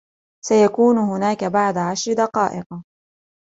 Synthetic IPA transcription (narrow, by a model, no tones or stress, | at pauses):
sajakuːnʊhʊnaːkabaʕd̪aʕaʃɾɪd̪ɑqɑːʔɪq